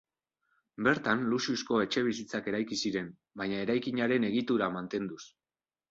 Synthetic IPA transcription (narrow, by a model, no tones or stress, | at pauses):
be̞ɾt̪anlusiusko̞e̞t͡ʃe̞β̞isit͡sake̞ɾajkisiɾe̞m | baɲae̞ɾajkiɲaɾe̞ne̞ɣit̪uɾamant̪e̞nd̪us